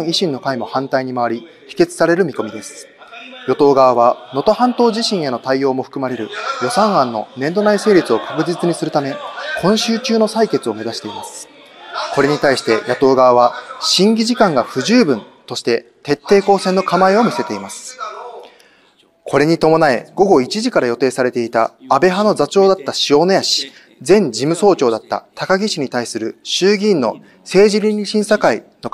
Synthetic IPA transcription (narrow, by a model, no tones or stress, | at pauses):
iɕĩnːo̞kaimo̞hãnt̪aiɲ̟imaβaɾʲi | çi̥ke̞t͡sɨ̥saɾe̞ɾɯ̟mʲiko̞mʲid̪e̞sɨ̥ | jo̞t̪o̞ːɡaβaβano̞t̪o̞hãnt̪o̞ːʑiɕĩɰ̃e̞no̞t̪aijo̞ːmo̞ɸɯ̥kɯ̟maɾe̞ɾɯ̟jo̞sãɰ̃ãnːo̞nẽ̞nd̪o̞naise̞ːɾʲit͡sɨo̞kḁkɯ̟ʑit͡sɨɲ̟isɨɾɯ̟t̪ame̞kʰõ̞ɰ̃ɕɨːt͡ɕɨːno̞saike̞t͡sɨo̞me̞zaɕi̥t̪e̞imasɨ̥ | ko̞ɾe̞ɲ̟it̪aiɕi̥t̪e̞jat̪o̞ːɡaβaβ̞aɕĩŋɡʲiʑikãŋɡaɸɯ̟ʑɨːbɯ̟̃n | t̪o̞ɕi̥t̪e̞t̪e̞t̪ːe̞ːko̞ːsẽ̞nːo̞kamaeo̞mʲise̞t̪e̞imasɨ̥ | kʰo̞ɾe̞ɲ̟it̪o̞mo̞nae̞̰ɡ̥o̞ɡo̞it͡ɕiʑikaɾajo̞t̪e̞ːsaɾe̞t̪e̞it̪a̰ːbe̞ɦano̞zat͡ɕo̞ːd̪at̪ːaɕio̞ːno̞jaɕi̥ | d͡zẽ̞ɲ̟d͡ʑimɯ̟so̞ːt͡ɕo̞ːd̪at̪ːa̰t̪akaɡʲiɕiɲ̟it̪aisɨɾɯ̟ɕɨːɡʲĩnːo̞̰ | se̞ːʑiɾʲiɾiɕĩɰ̃sakaino